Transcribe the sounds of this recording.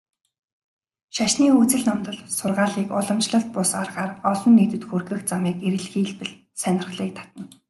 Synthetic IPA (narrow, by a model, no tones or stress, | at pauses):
ʃaʃniːut͡sɘ̆ɮnɔmt̪ɞ̆ɮsʊrʁaːɮiːkʊɮɞ̆mt͡ɕɮə̆ɬt̪̚pʊsarʁaːrɔɮɞ̆nːeːt̪ɘ̆t̪xurxɘ̆xt͡samiːkeɾɘ̆ɮxiːɮpɘ̆ɮ | sænʲɪ̆rχɮiːk̚t̪ʰḁt̪ə̆n